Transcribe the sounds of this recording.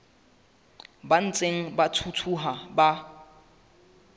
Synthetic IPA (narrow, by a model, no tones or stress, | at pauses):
ban̩t͡sʼeŋ̩batʰutʰuɦaba